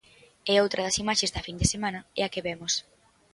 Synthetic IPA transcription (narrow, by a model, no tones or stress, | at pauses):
ɛowt̪ɾʔɐð̞ɐsimaʃezd̪ɐfind̪esemãnɐɛ̰akeβɛmos